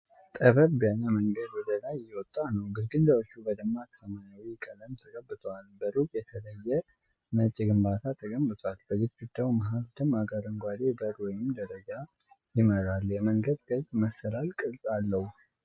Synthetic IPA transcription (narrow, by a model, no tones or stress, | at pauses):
t̪ʼəβəbbianaməŋɡəd̪wɔd̪əlajːɛwɔt̪ʼːanəwɡɨɾɡɨnd̪əwɔt͡ʃːubəd̪ɨmːat̪ʰsəmaɲawijɪkʼələmt̪ʰəɡʼəbːɨt̪ʼʰəwalbəɾukʼjɛt̪ʰələjːɛ | mət͡ʃʼɪɡɨmbat̪ʰat̪ʰəɡəmːɨt̪ʰʼwalbəzɪt̪̚ɡud̪ːawmaɦafd̪ɨmaɡəɾəŋɡʷad̪ebəɾwɔjɪmd̪əɾəd͡ʒa | jɪməɾaljɛməŋɡəd̪ɡ̪əzməsːɨɾalkʼɨsʼalːəhu